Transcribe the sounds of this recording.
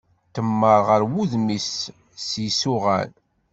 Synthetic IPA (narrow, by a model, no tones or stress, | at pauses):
t̪əmːəɾˤʁəɾwuðmis | sjisʊʁæ̰n